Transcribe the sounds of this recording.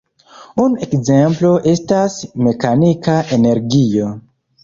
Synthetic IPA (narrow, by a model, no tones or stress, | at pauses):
unekze̞mplo̞ʔe̞stasme̞kanikaʔene̞ɾɡio̞